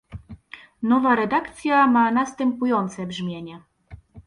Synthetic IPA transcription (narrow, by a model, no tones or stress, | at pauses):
nɔvaɾɛd̪akt̪sʲjamanast̪ɛmpujɔnt̪sɛbʐmʲjeɲɛ